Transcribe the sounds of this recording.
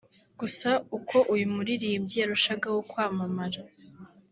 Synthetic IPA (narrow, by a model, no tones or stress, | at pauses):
ɡ̥usaukʰo̞ʔujumuɾiɾiːmɟijaɾuʃaɡawokwaːmamaɾa